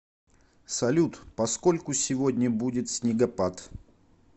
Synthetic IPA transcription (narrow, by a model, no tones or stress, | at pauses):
sɐlʲut̪pɐsko̞lʲkʊsʲɪvodʲnʲəbudʲɪt̪sʲnʲɪɡɐpat̪